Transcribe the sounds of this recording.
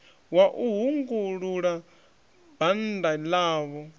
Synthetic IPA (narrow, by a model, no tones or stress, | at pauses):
waʔuɦuŋɡuɺuɺa | b̥andalaːβɔ